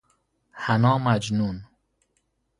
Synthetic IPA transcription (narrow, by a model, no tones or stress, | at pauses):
hanɔːmad͡ʒnun